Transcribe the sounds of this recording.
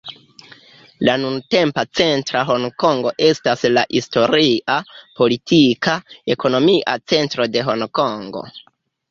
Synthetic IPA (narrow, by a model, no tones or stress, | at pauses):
lanunte̞mpat͡se̞ntɾaɦo̞ŋko̞ŋɡo̞ʔe̞staslaʔisto̞ɾiʔapo̞litʰikae̞ko̞no̞miʔa̰t͡se̞ntɾo̞de̞ɦo̞nko̞ŋɡo̞̰